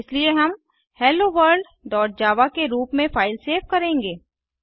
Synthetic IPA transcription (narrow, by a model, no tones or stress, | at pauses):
ɪslieɦɐm | hɛːloʋəɾɖ | ɖɔːʈ̚d͡ʒaːʋakeɾuːpmẽfaːɪlseːʋkɐɾẽːŋɡeː